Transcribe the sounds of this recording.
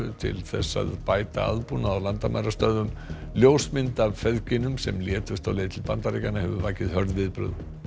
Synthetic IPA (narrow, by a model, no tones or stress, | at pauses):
ʏt̪ʰɪ̰lθɛsːa̰ðpaːjt̪a̰a̰ðpunaawlant̪ama̰jɾast̪œðʏmljoːwsmɪnt̪avfɛðcɪnʏmsɛmljɛːt̪ʏst̪awlɛːðɪt̪ʰɪlpant̪aɾeːcanːahɛvʏvaːjcɪðhœɾðvɪðpɾʏ̰ð